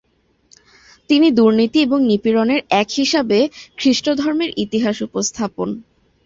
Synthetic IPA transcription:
t̪inid̪uɾnit̪ieboŋnipiɾoneɾɛkhiʃabekʰɾiʃʈod̪ʱɔɾmeɾʔit̪iɦaʃupost̪ʰapon

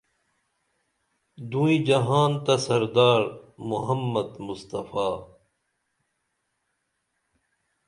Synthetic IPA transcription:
d̪ũĩd͡ʑɐɦaːnt̪ɐsɐɾd̪aːɾmuɦɐmːɐd̪mʊst̪ɐfaː

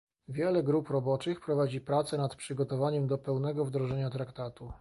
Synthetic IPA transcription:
vʲjɛlɛɡɾupɾɔbɔt͡ʂɘxpɾɔvad͡ʑipɾat̪sɛnat̪pʂɘɡɔt̪ɔvaɲɛmd̪ɔpɛwnɛɡɔvd̪ɾɔʐɛɲat̪ɾakt̪at̪u

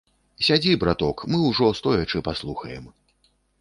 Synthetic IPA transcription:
sʲad͡zʲibɾat̪ɔkmɨwʐɔst̪ɔjɐt͡ʂɨpaslˠuxɐjɛm

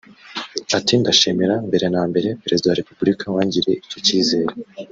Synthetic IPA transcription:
atindaʃemeɾambe̞ɾe̞naːmbe̞ɾe̞peɾezidawaɾe̞pubɾikawaːɲɟiɾe̞ico̞ciːze̞ːɾe

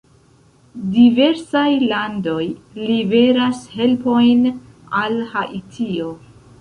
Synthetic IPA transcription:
dive̞ɾsajlando̞jlive̞ɾashe̞lpo̞jn | alhaʔitʰio̞

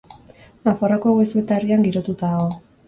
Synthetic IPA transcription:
nafarako̞ɣejsuet̪ariaŋɡiɾo̞t̪ut̪aɣo̞

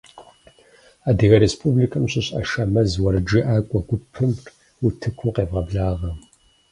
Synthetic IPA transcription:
aːdɨɣɐɾespʰublikʰɐmɕɪɕʼɐ̰ʃɐmɐzwɐɾɨd͡ʒɨʔaːkʷʼɔɡʷʊpʰɨm | utʰɨkʷʰuqeːvʁɐbɮaːʁɐm

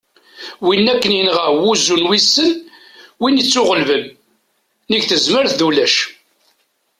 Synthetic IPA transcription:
winːækːənjənʁəʁwuzunwisːən | winit͡sːʊʁəlvənː | iɡθəzməɾθðulæʃ

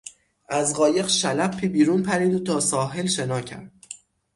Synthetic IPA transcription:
ʔæzɢɒːje̞ɣʃælæpʰːiːbiːɾunpʰæɾiːd̪uːt̪ʰɒːsɒːɦelʃenɒːcʰæ̰n

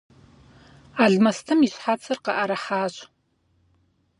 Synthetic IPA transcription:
aːɮmɐstʰɨmiɕħaːt͡sʰɐrqɐʔɐɾɐħaːɕʼ

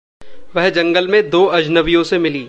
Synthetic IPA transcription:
ʋɛɦd͡ʒɐ̃ŋɡəlmẽd̪oːɐd͡ʒnɐʋijõsemɪliː

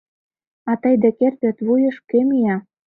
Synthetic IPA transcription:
ɑt̪əjd̪ĕkert̪ĕt̪βujɤ̆ʃkemijɑ

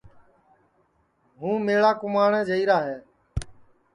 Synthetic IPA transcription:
ɦũːmeːɭaːkʊmaːɳɛ̃ːd͡ʒəiːɾaːɦeː

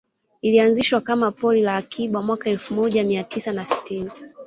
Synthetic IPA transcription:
ilianziʃwakamapɔlilaːkʰiɓamwakaɛlfumɔʄamiatisanasi̥tini

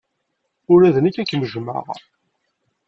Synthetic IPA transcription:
ʊɾæðənikːækːməʒma̰ʁ̰

